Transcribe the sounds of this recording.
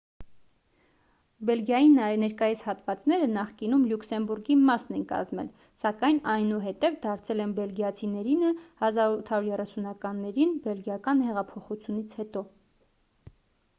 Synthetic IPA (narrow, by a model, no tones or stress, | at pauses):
bɛlɡjɑjinɛɾkɑjishɑt̪vɑt͡snɛɾənɑχkinumluksɛmbuɾɡimɑsnɛnkɑ̰zmɛ̰l | sɑkɑjnɑjnuɦɛt̪ɛvd̪ɑɾt͡sʰɛlɛnbɛlɡjɑt͡sʰinɛɾinəhɑzɑɾut̪ʰɑɾuɾjɛrɛsunɑkɑnːɛɾinbɛlɡjɑkɑnhɛʁɑpʰɔχut͡sʰjunit͡sʰhɛt̪ɔ